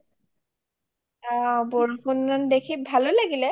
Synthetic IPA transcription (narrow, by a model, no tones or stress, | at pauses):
abɔɹpʰunːandekʰibʱalolaɡilɛ